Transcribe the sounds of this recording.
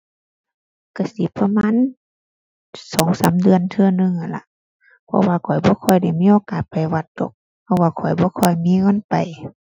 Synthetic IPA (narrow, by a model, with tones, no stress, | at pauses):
ka˧˩si˧˦pʰa˧maː˧˥˨n | sɔː˨˦ŋsaː˨˦mdɯ˨˧˨ənt̪ʰɯ˧ə˧nɯ˧ŋha˧˩nla̰˧˦ʔ | pʰɔ̰˧waː˧kʰɔ˨˩jbɔː˧˦kʰɔ˧˩jda˧˩jmiː˧˥˨ʔoː˧˦kaː˨t̪̚pa˨˩jwa˧˩t̪̚d̪o̰˧˦k̚ | pʰɔ˧waː˧˩kʰɔ˨˩jbɔː˧˦kʰɔ˧˩jmiː˧˥˨ŋɤ˧˥˨npa˨˩j